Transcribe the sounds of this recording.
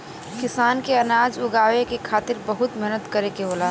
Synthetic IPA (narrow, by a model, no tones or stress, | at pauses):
kɪsaːnkeɐnaːd͡ʒʊɡaːwekekʰaːt̪ɪɾbɐɦʊt̪mɛɦnət̪kɐɾekeɦoːlaː